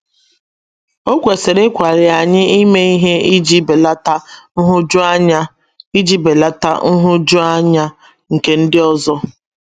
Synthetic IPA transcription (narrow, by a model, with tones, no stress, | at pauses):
o˦kʷe˨se˨ɾe˦kʷa˨ɾɪ˨a˨ɲɪ˦i˦me˦i˦ɦe˦i˦d͡ʒi˦be˨la˦ta˦n̩˦ɦʊ˦d͡ʒa˦ɲa˦ | i˦d͡ʒi˦be˨la˦ta̰˦n̩˦ɦʊ˦d͡ʒʊ˦a˦ɲa˦ | ŋ̩˨ke˨˦n̩˦dɪ˦ɔ˦zɔ˦